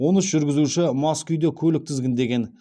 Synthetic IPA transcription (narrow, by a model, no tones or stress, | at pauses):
wo̞nəsʒʏɾɡʲɪzuʃɪmɑskʲʏjd̪ekʲʰɵlɪk̚t̪ʰɪzɡʲɪnd̪e̞ɡʲe̞n